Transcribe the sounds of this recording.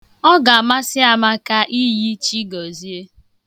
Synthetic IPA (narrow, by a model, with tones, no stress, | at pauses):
ɔ˦ɡa˨a˨ma˦sɪ˦a˨ma˦ka˦ʔi˦ji˦t͡ʃi˦ɡɔ˨zi˦e˦